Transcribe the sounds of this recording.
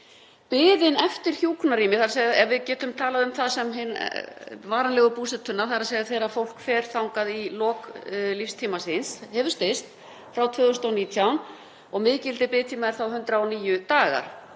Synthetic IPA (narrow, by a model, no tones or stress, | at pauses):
pɪːðɪnɛft̪ɪɾ̥çjuːkʰnaɾiːmɪθaɾaseːjɛvɪðcɛːt̪ʏmt̪ʰaːlaðʏmθaðsɛmɦɪn | vaːɾanlɛɣʏpuːsɛt̪ʰʏnːaθaɾaðseːjðɪθeːjɾafowl̥kfɛːɾ̥θawŋkaðilɔːklifst̪ʰiːmasɪnshɛvʏst̪ɪst̪ | fɾawt̪ʰvœːɣʏst̪awniːt̪ʰjawn | ɔɣmɪːcɪlt̪ɪpɪːðt̪ʰiːmaðɪɾ̥θawɦʏnt̪ɾaɔniːjʏt̪aːɣa̰ɾ̥